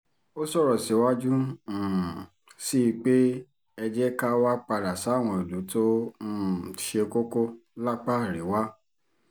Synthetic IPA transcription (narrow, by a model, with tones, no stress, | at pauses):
o˦sɔ˦˨ɾɔ˨si˨˦wa˦d͡ʒũ˦˨ | si˦˧k͡pe˦ | ɛ˧d͡ʒɛ˦ka˦wa˦k͡pa˧ɾa˨sa˨˦˨w̃ɔ̃˧i˨du˨˦to˦˨ | ʃe˧ko˦ko˦la˦k͡pa˦˨ɾe˨˦wa˦